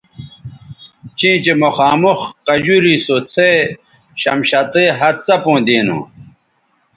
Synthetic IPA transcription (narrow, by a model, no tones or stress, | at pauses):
t͡ɕʰĩːt͡ɕemoxaːmuxqɐd͡ʑuɾisot͡sʰe | ɕɐ̰mɕɐt̪eɦɐt̪̚t͡sɐpõːd̪eːnṵ̃